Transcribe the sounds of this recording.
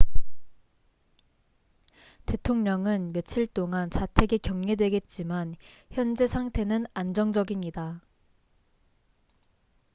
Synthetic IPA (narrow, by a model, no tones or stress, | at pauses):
te̞tʰoŋɲʌŋɯnmjʌt͡ɕʰiɭt͈oŋant͡ɕatʰe̞ɡe̞kjʌŋːɲedwe̞ɡe̞t̚t͡ɕ͈imançjʌnd͡ʑe̞sʰaŋtʰe̞nɯnand͡ʑʌŋd͡ʑʌɡiɲida